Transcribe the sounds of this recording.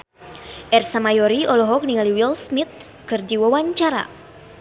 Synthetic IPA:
ʔɛrsamajɔɾiɔlɔɦɔk̚niŋaliwilsmit̪̚ | kɨrdiwawaɲt͡ʃaɾa̰

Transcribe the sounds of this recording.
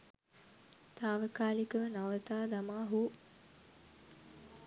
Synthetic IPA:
t̪aːʋəkaːlikəʋənaʋət̪aːd̪amaːɦuː

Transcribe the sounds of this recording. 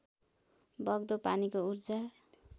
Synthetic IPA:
bʌɡd̪opanikourd͡za

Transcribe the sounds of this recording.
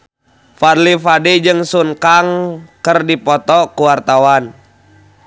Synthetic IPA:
fadlifadid͡ʒɨŋsunkaŋkərdipɔt̪ɔkuwart̪awan

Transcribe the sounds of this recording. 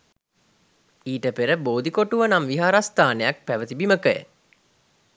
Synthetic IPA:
iːʈəpeɾəboːd̪ikoʈuʋənamʋiɦaːɾast̪aːnejak̚pæʋət̪ibiməkəjə̰

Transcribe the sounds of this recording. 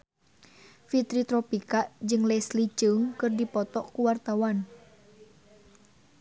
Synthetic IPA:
fit̪ɾit̪ɾɔpikaʔd͡ʒɨŋlɛslit͡ʃəŋkɨrdipɔt̪ɔkuwart̪awan

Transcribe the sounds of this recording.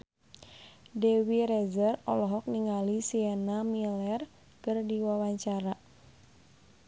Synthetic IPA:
dɛwiɾɛzərɔ̰lɔɦɔk̚niŋalisiɛnamilɛr | kɨrdiwawaɲt͡ʃaɾa

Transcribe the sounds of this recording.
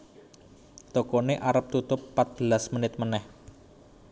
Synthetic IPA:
t̪okoneʔaɾəp̚t̪ut̪ʊpːat̪̚b̥əlasmənɪt̪̚mənɛh

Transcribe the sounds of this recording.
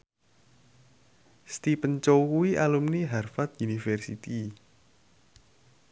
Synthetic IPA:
st̪ipənt͡ʃokuiʔalumniɦarfat̪unifɛrsit̪i

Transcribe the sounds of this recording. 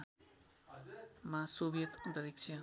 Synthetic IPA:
masobijʌt̪nd̪ʌɾikt͡ʃʰe

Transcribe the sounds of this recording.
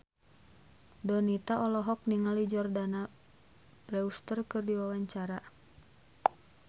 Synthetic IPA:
dɔnit̪aʔɔlɔɦɔk̚niŋalid͡ʒɔrdana | bɾɛust̪ərkɨrdiwawaɲt͡ʃaɾa

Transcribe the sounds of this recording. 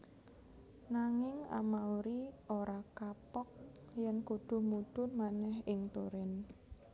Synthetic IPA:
naŋɪŋa̰mauɾiʔoɾakapɔk̚ | jɛnkud̪̥ʊ̤hmud̪̥ʊnmanɛhɪŋt̪uɾɪn

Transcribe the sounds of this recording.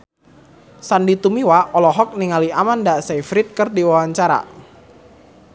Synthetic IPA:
sandit̪umiwaʔɔlɔɦɔk̚niŋaliʔamandasejfɾit̪̚kərdiwawaɲt͡ʃaɾa̰

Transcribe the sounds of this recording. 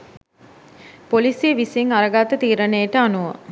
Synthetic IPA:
polisjeʋiseŋaɾəɡat̪ːət̪iːɾənejəʈəanuʋə̰

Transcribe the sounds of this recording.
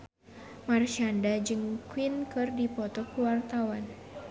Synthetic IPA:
marʃandad͡ʒɨŋkwinkɨrdipɔt̪ɔkuwart̪awan

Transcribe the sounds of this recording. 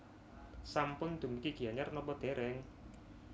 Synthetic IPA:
sampʊnd̪̥ṳmikiɡ̥i̤jaɲarnɔpɔd̪̥eɾɛŋ

